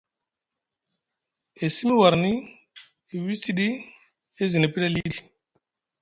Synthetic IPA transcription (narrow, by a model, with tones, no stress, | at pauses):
e˨si˦mi˦wa˨ɾni˦ | e˨wi˦si˦ɗi˦ | e˦zi˨ne˨pi˦la˦li˦li˨